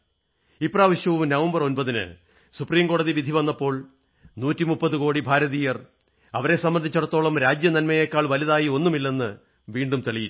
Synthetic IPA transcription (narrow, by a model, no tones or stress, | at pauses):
ipːraːʋɐɕjɐʋumnɐʋɐmbɐro̞nbɐðinɨ̰ | supriːmko̞ːɽɐðiʋid̪ʱiʋɐnːɐpːo̞ːɭ | nuːtːimupːɐðɨko̞ːɽibʱaːɾɐðiːjɐr | ɐʋɐɾe̞sɐmːɐnd̪ʱit͡ɕːuɽɐt̪ːo̞ːɭɐmɾaːd͡ʑjɐnɐnmɐjeːkːaːɭʋɐliðaːjio̞nːumilːe̞nːɨ | ʋiːɳɖumt̪eɭiji